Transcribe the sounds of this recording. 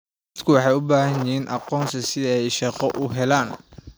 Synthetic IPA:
d̪kʰʊwɑħɑjʊbaːɦɐjɪiːnʔɑ̰qɔːnsɐsɪɛjʃɑqɔʔʊɦɛlaːn

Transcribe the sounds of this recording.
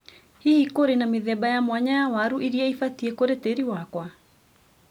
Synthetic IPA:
hihikoɾenameðɛbajamwaɲajawaɾuʔiɾiɛifatiekoɾeteɾiwakwa

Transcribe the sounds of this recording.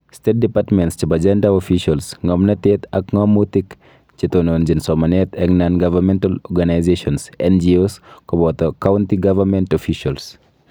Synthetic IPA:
stet̚dipatmɛntst͡ʃibad͡ʒɛndaɔfiʃalsŋɔmnɐtetɐkŋɔmːutik | t͡ʃitonond͡ʒinsɔmɐnɛtɛknanɡavɐɾmɛntalɔɡanajzeʃɔnsɛnd͡ʒioskɔbɔtɔkawntiɡavɐɾmɛntɔfiʃals

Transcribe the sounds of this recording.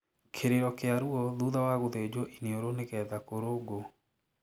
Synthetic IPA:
kʰeɾeɾɔkeaɾuɔðuðawaɣoðed͡ʑɔʔineoɾoneɣɛðakoɾoɡo

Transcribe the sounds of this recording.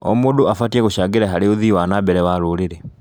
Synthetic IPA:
o̰mudoafatieɣuʃaɡeɾaɦaɾiuðiwanabɛɾɛwaɾuɾiɾɛ

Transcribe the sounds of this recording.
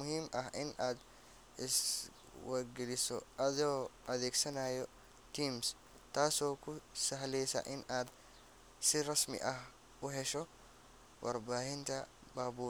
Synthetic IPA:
mʊhiːmɐhɪnɐd̪ | ɪs | wɐɡɪlɪsɔ̰ʔɐd̪oːʔɐd̪eːɡsɐnaːjɔ | t̪iːms | t̪aːsoːkʊsɐɦlɛːsɐ̰ʔɪnɐd̪ | sɪɾɐsmɪ̰ʔɐh | ʊɦɛʃɔ | wʔɐɾbaːhɪnt̪ɐ | baːbuː

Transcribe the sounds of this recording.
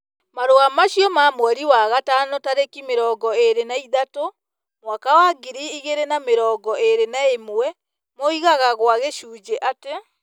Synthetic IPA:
maɾoamaʃijɔmamwɛɾiwaɣatanotaɾekimeɾɔːɡɔeɾenaiðato | mwakawaɡiɾiiɣeɾenameɾɔːɡɔʔeɾenaemwwɛ | moiɣaɣaɣwaɣeʃuːd͡ʒeʔate

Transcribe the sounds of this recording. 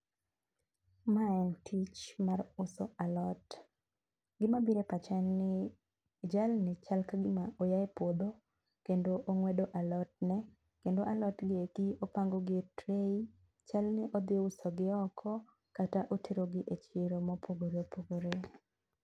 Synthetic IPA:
maɛntʰit͡ʃmarʊsoalɔt | ɡɪmabiɾepat͡ʃɛnːɪ | d͡ʒalnɪt͡ʃalkaɡɪmaʔojaepod̪o | kendoʔːŋwɛdoʔalɔt̚nɛ | kendoʔalɔtɡɪeɡiopaŋɡoɡɪtɾei | t͡ʃalnɪʔɔd̪ɪʊsɔɡɪɔkʰɔ | kataʔotʰeɾoɡɪʔet͡ʃɪɾomɔpʰoɡoɾeopoɡoɾe

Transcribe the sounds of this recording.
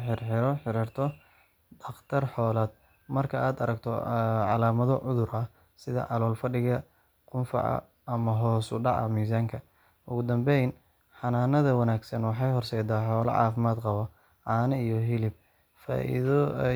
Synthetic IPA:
ħɪrħɪɾɔħɪɾɪrt̪ʰɔ | d̪ɐχt̪ʰɐrħɔːlaːd̪̚ | mɐrkʰɐʔaːd̪ɐɾɐɡt̪ʰɔʕɑlaːmɐðɔʕʊðʊɾɐh | sɪðɐ̰ʕɑlɔːlfɐɖɪɣɐ | qʊnfɑ̰ʕɑ̰ | ɐmɐɦɔːsʊ̰ɖɑ̰ʕɐ̰miːs̬aːŋkʰɐ | ʔʊɣʊd̪ɐmbɛjn | ħɑnaːnɐðɐwɐnaːɡsɐnwɑħɑjɦɔrsɛjd̪aːħɔːlɐ̰ʕɑ̰ːfɪmaːd̪qɑβɔ | ʕɑːnɐijɔɦɪlɪb̚ | fa̰ːʔḭð

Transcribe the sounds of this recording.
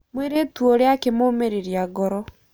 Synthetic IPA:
mweɾetwɔɾeakemomeɾeɾjaɡɔɾɔ

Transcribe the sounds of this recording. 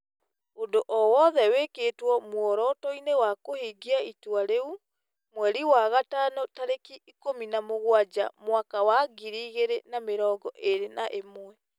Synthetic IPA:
ondoʔɔwɔðɛwekeːtwɔmwɔɾɔtɔinewakohiːɡiaitwaɾeu | mwɛɾiwaɣatanotaɾekiikominamoɣwad͡ʒa̰mwakawaɡiɾiːɣeɾenameɾɔːɡɔʔeɾenaʔemwɛ

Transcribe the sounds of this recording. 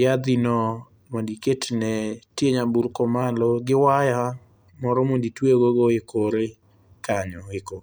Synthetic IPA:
jad̪inɔ | mondiketnɛtjeɲabuɾkɔmalɔɡɪwaja | mɔɾɔmonditweɡoɡoekʰoɾe | kaɲɔɪko

